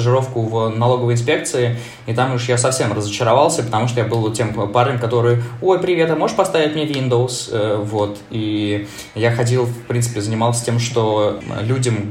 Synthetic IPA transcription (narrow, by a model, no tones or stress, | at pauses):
ʐɨɾo̞fkʊvnɐlˠo̞ɡəvəjɪnspʲe̞k̚t̪sɨɪ | it̪amuʂjasɐfsʲe̞mrəzət͡ɕɪɾɐvalˠsʲəpət̪ɐmuʂt̪ojabɨlˠv̚tʲe̞mparnʲɪmkɐt̪o̞ɾɨjʊo̞jpɾʲɪvʲet̪əmoɨʂpɐst̪avʲɪt̚ʲmɪnʲevʲind̪oʊsəvo̞t̪ | i | jaxɐdʲilˠfpɾʲint̪ɨpʲɪzənʲɪmalˠsʲə̥tʲe̞mʂt̪o̞̰lʲudʲəm